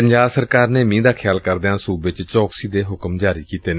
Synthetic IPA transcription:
əɲd͡ʒaːbsəɾkaːɾneːmĩːd̪aːkʰɪjaːlkəɾd̪eãːsuːbɪt͡ʃt͡ʃɔːksiːd̪eːɦʊkəmd͡ʒaːɾiːkiːt̪eːn

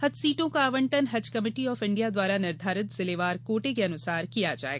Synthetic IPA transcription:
hɐd͡ʒsiːʈõkaːʋə̃ɳʈənɦɐd͡ʒkɐmɪːʈiɔːfɪ̃ɳɖijad̪waːɾanɪɾd̪ʱaːɾɪt̪sɪleːʋaːɾkoːʈekeɐnʊsaːɾkijad͡ʒa̰ːḛɡa

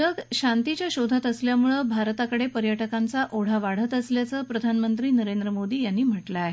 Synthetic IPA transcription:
əɡɕant̪it͡ɕjaɕod̪ʱat̪əsljamuɭəbʱaɾt̪akəɽepəɾjəʈəkãnt͡saʔoɽ̤aʋaɽ̤ət̪əsljat͡səːpɾəd̪ʱanmənt̪ɾiːnəɾend̪ɾəmod̪iːjanːiːm̤əʈlaːɦe

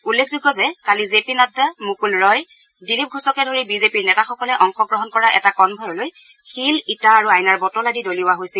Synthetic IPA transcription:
ulːekʰzuɡɔzɛkalizepinatːamukulɹɔj | dilip̚ɡʱusɔkɛdoɹibizepiɹnɛtaxɔkɔlɛʔɔŋxɔɡɹɔɦɔnkɔɹaʔɛtakɔnbʱɔjɔloj | xilitaːɹuajnaɹbɔtɔladidoliwaɦojsɛl

